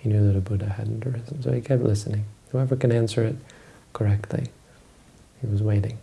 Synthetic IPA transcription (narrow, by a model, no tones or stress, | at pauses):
hinjʉðɨɾəbʊɾɨhæ̰dⁿn̩tɹɪzn̩soʊikʰɛp̚tˡlʔɪsɨnɪ̃ŋhaɛvə˞kɨ̃næ̃nsə˞ɨt̚ | kʰə˞ɛk̚tʰˡlḭ | hiwʌzweɪɾɪ̃ŋ